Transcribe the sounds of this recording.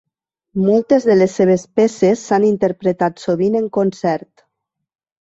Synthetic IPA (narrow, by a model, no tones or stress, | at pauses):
mɔlˠt̪ezðelesːeβ̞espesesːanint̪eɾpɾet̪at̪soβ̞ineŋkonsɛɾt̪